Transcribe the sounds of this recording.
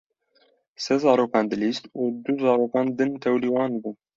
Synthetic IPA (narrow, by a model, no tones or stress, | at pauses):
sɛzɑːɾoːkɑːnd̪ɨliːst̪uːd̪uzɑːɾoːkɑːnd̪ɨnt̪ʰɛwliːwɑːnbuː